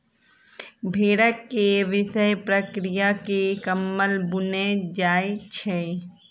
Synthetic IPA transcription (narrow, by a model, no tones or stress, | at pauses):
bʱeːɽəkːeʋɪʃəjpɾəkɾɪjakekəmːəlbʊned͡ʒaːjt͡ʃʰeː